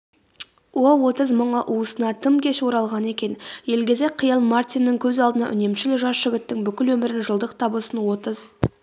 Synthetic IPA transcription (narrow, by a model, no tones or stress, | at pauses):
wowo̞t̪əzməɴəʔuəsənɑt̪ʰəmkʲe̞ʃwo̞ɾɑlˠʁɑne̞kʲe̞nje̞lɡʲe̞ze̞k̚qʰəjɑlˠmart̪inːɪŋkʲʰɵzɑlˠd̪ənɑ̰ʔʏ̰ne̞mʃɪlɪkʒɑsʒ̥ɪɡʲɪt̪ːɪŋbʏkʲɪlwɵmɪɾɪnʒəlˠd̪əqt̪ʰɑbəsənwo̞t̪əz̥